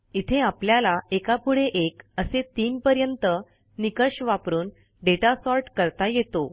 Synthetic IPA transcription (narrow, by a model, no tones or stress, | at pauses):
it̪ʰeapljalaekapuɽeʔekəset̪iːnpəɾjənt̪ə | nikəɕʋapɾuːn | ɖeʈasɔɾʈkəɾt̪ajet̪o